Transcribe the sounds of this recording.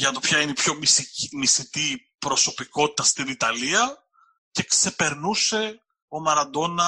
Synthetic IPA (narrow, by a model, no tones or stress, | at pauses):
ʝɐt̪opçɐineipço̞mmisit̪i | pɾoso̞piko̞t̪i̥t̪ɐst̪init̪ɐliɐ | ce̞kse̞pe̞ɾnuse̞ | o̞mɐɾɐd̪o̞nɐ